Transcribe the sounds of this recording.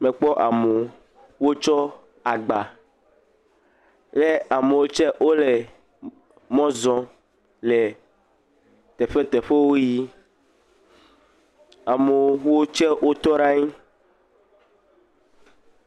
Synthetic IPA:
mẽ˨k͡pɔ˦ʔa˨me˨ | wo˦t͡ʃɔ˦ | a˨ɡ͡ba˨ | le˦a˨me˨wo˦t͡ʃɛ˦ʔwo˦le˨ | mɔ̃˦zɔ̃˦ | le˨ | t̪ɛ˨ɸe˦t̪ɛ˨ɸe˦wo˦ji˦ | a˨me˨wo˦t͡ʃɛ˦wo˦t̪ɔ˦ɾa˦ɲi˦

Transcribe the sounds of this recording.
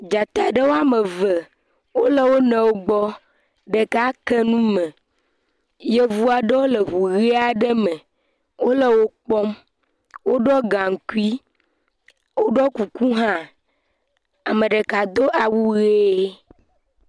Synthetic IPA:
d͡ʒa˨t̪a˨ɖə˦wo˦a˦mɛ˨və˨ | wo˦lə˦wo˦nɛ̃˨wo˦ɡ͡bɔ˦ | ɖe˨ka˦kɛ˦nũ˦mɛ̃˨ | je˦vu˦a˨ɖə˦wo˦le˨ɦu˨ɣe˦a˨ɖɛ˦mɛ̃˨ | wo˦lə˦wo˦k͡pɔ˦m | wo˦ɖɔ˦ɡã˨ŋ̩˨ku˦i˦ | wo˦ɖɔ˦ku˨ku˦ɦã˦ | a˨mẽ˨ɖe˨ka˨d̪o˦ʔa˨wu˦ɣe˦

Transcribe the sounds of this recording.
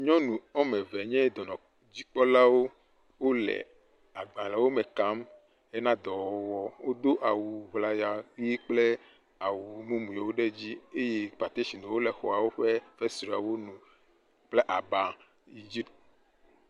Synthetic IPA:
ɲɔ̃˦nũ˨ɔ˦mɛ̃˨vɛ˨ɲɛ̃˦d̪ɔ˨nɔ̃˨ | d͡ʑi˦k͡pɔ˦la˦wo˦ | wo˦lɛ̰˨ | a˨ɡ͡bã˨lɛ˨wo˦mɛ̃˨ka˦m | e˦nã˦d̪ɔ˨wɔ˨wɔ˦wo˦d̪o˦ʔa˨wu˨βla˨ja˨˦i˦k͡ple˦ | a˨wu˨mũ˦mũ˨je˨wo˦ɖe˦d͡ʑi˦e˦je˦k͡pa˨t̪e˦ʃi˨nũ˨wo˦lɛ˨xɔ˨a˨wo˦ɸe˦fe˦sɾi˨a˨wo˦nũ˨ | k͡ple˦ʔa˨ba˨ | i˨d͡ʑi˦pt̪

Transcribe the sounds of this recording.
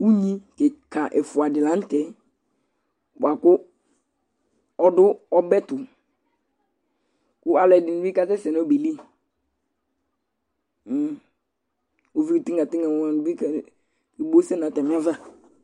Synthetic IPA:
u˦ɲĩ˦kɛ˨ka˨ʔɛ˨fʊ˨a˨dɪ˨la˨˦n̩˦tɛ˨˦ | bʊ˨a˨kʊ˦ | ɔ˦dʊ˦ɔ˦bɛ˦tʊ˨ | kʊ˦a˦lɛ˨dɪ˨nɪ˨bi˦ka˦tɛ˦sɛ˨n˦ɔ˦be˨li˦˨ | o˨vi˦ɾi˨ti˦ŋa˨ti˦ŋɡa˨ã˨n˨bi˦k | i˨bo˦sɛ˦na˨tɛ˨m˦a˦va˦

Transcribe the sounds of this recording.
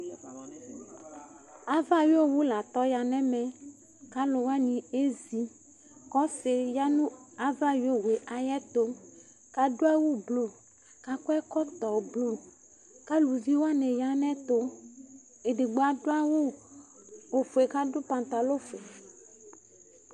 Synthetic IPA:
a˨va˦jo˦wu˦la˨t̪ɔ˦ja˨nɛ̃˦mɛ̃˨ | ka˦lo˨wa˦nĩ˨e˦zi˨˦ | kɔ˦se˨ja˦nũ˦a˨˦va˦ji˦o˦we˨ʔa˨jɛ˦t̪o˦ | ka˨do˦a˦wo˦blo˨ | ka˦ko˦ɛ˦kɔ˦t̪ɔ˨blo˨ | ka˦lu˨vi˦wa˦nɛ̃˨ja˦nɛ̃˦t̪o˦ | e˨ɖe˨ɡ͡bo˨˦a˨do˦a˦wo˦ | o˨fo˨e˨ka˦ɖo˦pã˨nt̪a˨lo˦fe˨

